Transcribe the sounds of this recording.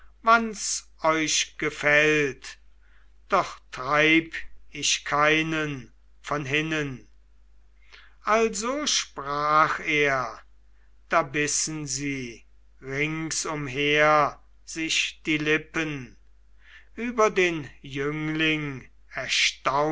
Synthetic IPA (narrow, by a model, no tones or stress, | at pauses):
vans | ɔʏʃɡ̥əfɛlt | d̥ɔχtʁaɪpɪʃkʰaɪnən | fɔnɦɪnən | ʔalzoːʃpʁaːχeːɐ | d̥aːbɪsn̩ziː | ʁɪŋsʊmɦeɐ | z̥ɪʃd̥iːlɪpən | ʔyːbɐdeːnjʏŋlɪŋ | ɛɐʃta